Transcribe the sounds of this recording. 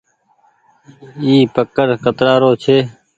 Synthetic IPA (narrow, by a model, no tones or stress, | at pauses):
iːpəkːəɾkət̪ɾaːɾoːt͡ʃʰeː